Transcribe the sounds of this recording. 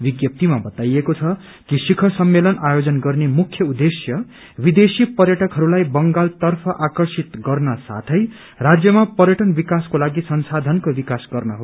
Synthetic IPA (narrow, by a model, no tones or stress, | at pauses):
biɡjʌp̚t̪imabʌt̪ajekot͡sʰʌ | kisikʰʌsʌmːelʌnajod͡zʌnɡʌrnemukʰjʌud̪esjʌ | bid̪esipʌrjʌʈʌkɦʌɾulajbʌŋɡalt̪ʌrpʰʌʔakʌrsit̪ɡʌrnʌsa̰t̪ʰʌj | rad͡zjʌmapʌrjʌʈʌnbikaskolaɡisʌnsad̪ʱʌnkobikasɡʌrnʌɦo